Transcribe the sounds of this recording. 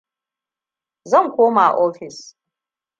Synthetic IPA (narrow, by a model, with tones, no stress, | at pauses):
zɐ˦˨ŋkʷoː˦maː˨ʔɔː˦ɸɪ˨s